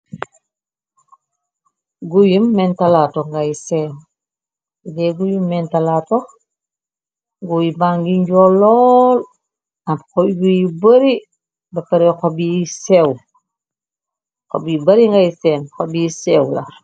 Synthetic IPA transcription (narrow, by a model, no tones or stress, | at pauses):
ɡujumːɛntalaːtɔŋɡajsɛːn | dɛɡujumːɛntalatɔx | ŋɡuibaŋɡiɲɟɔlɔːl | ɐkobujibəɾi | bɐpɐɾɛxobisɛw | xo̰bibɐɾiŋɡajsɛːnxobisɛːwla̰